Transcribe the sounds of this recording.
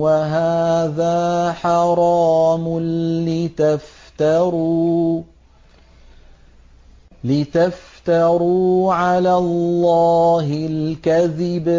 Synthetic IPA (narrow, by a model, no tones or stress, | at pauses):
waɦaːðaːħɑɾˤɑːmʊɪt̪aft̪aɾ | lɪt̪aft̪aɾuːʕalaːllːɑːɦɪlkaðɪb